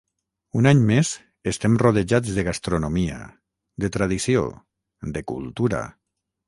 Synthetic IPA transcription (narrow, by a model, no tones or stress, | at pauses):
unaɲmez | est̪ɛmroð̞eʒad͡zðeɣast̪ɾonomia̰ | d̪et̪ɾað̞isio̰ | d̪ekṵlˠt̪uɾa̰